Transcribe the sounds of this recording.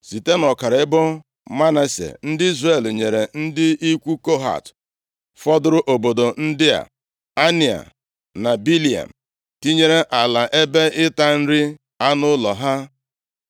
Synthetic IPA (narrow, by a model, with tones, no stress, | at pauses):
si˨te˦nɔ˨ka˨ɾɪ˦bʊ˦ | ma˦na˦sḛ˨n̩˦dɪ˦i˦zre˨lɲe˨ɾe˨n̩˦dɪ˦i˦kʷu˦ko˦ɦa̰˨t | fɔ˦dʊ˦ɾʊ˦ʔo˨bo˨do˨n̩˦dɪ˦a̰˨ | a˦ni˨a̰˨ | na˨bi˦li˨a̰˨m̩˨ | ti˦ɲe˦ɾe˦ʔa˨la˨ʔe˦be˦ɪ˦ta˦n̩˦ɾɪ˦ | a˦nʊ˦lɔ˨ɦa˦